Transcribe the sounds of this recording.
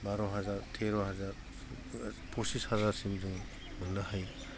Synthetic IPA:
baɾɔɦazaɾtʰeɾɔɦazaɾ | pʰɔsishazaɾsimdɯŋ | mɯŋnahaj

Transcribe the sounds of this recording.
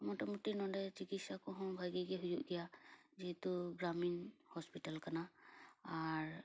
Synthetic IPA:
mɔtamutinɔdɛd͡ʒikitsakɔɦɔ̃bʱajɡiɡɛɦujuʔɡijazit̪uɡaminhɔspitalkanaaɹ

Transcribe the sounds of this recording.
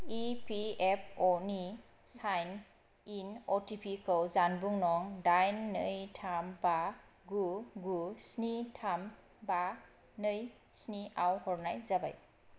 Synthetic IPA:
ipʰiep̚ʰɔni | sajn | inɔtipʰikʰɯwzanbuŋnɔŋdajnːɯjtʰamba | ɡuɡusnitʰam | ba | nɯj | sniawhɔɾnajzaba̰j

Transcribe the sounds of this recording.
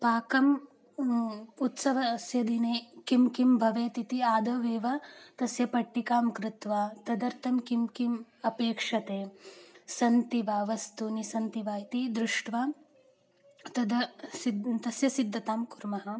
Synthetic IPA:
paːkɐm | ut̪sɐʋɐsjɐd̪ʱineːkimkimbʱɐʋeːt̪it̪iaːd̪ʱɐʋeːʋɐt̪ɐsjɐpɐʈːikaːmkɾɪt̪ʋaːt̪ɐd̪ɐɾt̪ʰɐmkimkimɐpeːkʂɐt̪eːsɐnt̪iʋaːʋɐst̪unisɐnt̪iʋaːit̪id̪ɾuʂʈʋaː | t̪ɐd̪ɐsidt̪ɐsjɐsid̪ʱːɐt̪aːmkuɾmɐɦɐ̆

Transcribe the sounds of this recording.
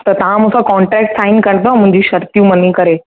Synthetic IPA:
t̪əɾt̪ɦãmũsakɔɳʈɾɛk̚ʈsainkəɳt̪̬ɔmũɲd͡ʑiːɕəɾt̪jũməniːkəɾe

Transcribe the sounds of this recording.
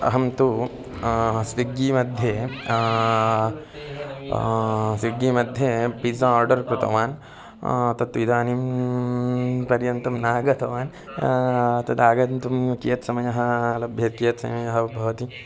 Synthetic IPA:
ɐ̰ɦɐmt̪u | sʋiɡːimɐd̪ʱje | sʋiɡimɐd̪ʱjepid͡ʒɐ̃aːɾɖɐɾkɾut̪ɐ̰ʋaːn | t̪ɐt̪ːuʋid̪aːnim | pɐɾjɐnt̪ɐmnaːɡɐt̪ʰɐʋaːn | t̪ɐd̪aːɡɐt̪umjkijɐt̪sɐmɐjɐɦɐlɐbʱjɐt̪̚kijɐt̪sɐ̰mɐjɐɦɐbʱɐʋɐt̪i

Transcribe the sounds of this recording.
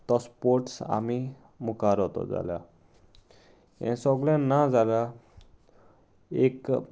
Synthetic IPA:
t̪ɔspoɾʈsa̰mi | mukaɾɔt̪ɔ̰d͡za̰lja̰ | ɛ̰̃sɔɡljãnːad͡zala | ek

